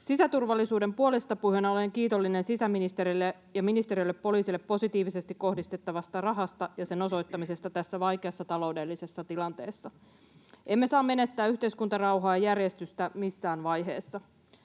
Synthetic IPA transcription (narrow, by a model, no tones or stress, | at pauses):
sisæt̪urʋɑlːisuːde̞mpuo̞lest̪ɑpuhønæo̞le̞ŋkiːt̪o̞lːine̞nsisæminist̪e̞ɾilːe | jɑminist̪eɾijolːepːo̞liːsilːepːo̞sit̪iːʋise̞st̪ikko̞hdist̪e̞t̪ːɑʋɑst̪ɑrɑɦɑst̪ɑjɑse̞no̞so̞jt̪ːɑmise̞st̪ɑt̪æsːæʋɑjkeɑsːɑt̪ɑlo̞wde̞lːise̞sːɑt̪ilɑnt̪e̞̰ːsːɑ | ʔe̞mːe̞sɑːmːe̞net̪ːæːyçt̪e̞iskunt̪ɑrɑwɦɑːjɑjærje̞st̪yst̪æmisːæːnʋɑjɦe̞̰ːsːɑ